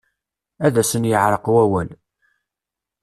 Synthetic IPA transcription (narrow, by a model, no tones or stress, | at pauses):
æðæsənjəʕɾˤəqwæwæl